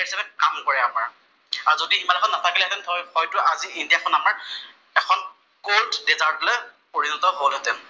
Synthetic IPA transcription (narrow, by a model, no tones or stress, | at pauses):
ɛɹisabɛkamkɔɹɛamaɹ | azodiːmanlɛkʰɔnatʰakilɛɦɛtɛnʰɔjxɔjtʊaziindijakʰɔnamaɹ | ɛkʰɔn | koltdɛzaɹtlɛpoɹinɔtɔɦolɦɔtɛn